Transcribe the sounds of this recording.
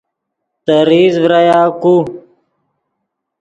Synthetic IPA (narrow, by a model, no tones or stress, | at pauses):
t̪əɾiːzvɾajaːku